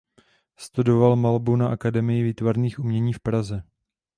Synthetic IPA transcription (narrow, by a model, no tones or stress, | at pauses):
st̪udo̞valmalbunaʔakadɛmɪjɪviːt̪vaɾniːxʔumɲɛɲiːfpɾazɛ